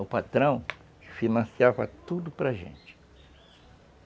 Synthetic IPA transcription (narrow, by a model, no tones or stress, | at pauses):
ʊpat̪ɾɐ̃w̃ | kɪfinɐ̃siavɐt̪ud̪ʊpɾɐʒḛ̃nt͡ʃɪ̥